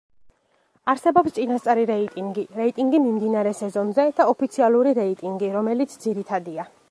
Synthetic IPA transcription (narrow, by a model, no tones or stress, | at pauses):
aɾsɛbɔpst̪sʼinast̪sʼaɾiɾɛit̪ʼiŋɡiɾɛit̪ʼiŋɡimimd̪inaɾɛsɛzɔnzɛd̪̥aɔpʰit̪sʰialˠuɾiɾɛit̪ʼiŋɡiɾɔmɛlit̪sʰd̪ziɾit̪ʰad̪ia